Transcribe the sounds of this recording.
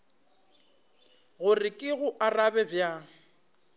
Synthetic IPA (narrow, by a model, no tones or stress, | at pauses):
ɣʊrɪkʼɪɣʊʔarabɛbja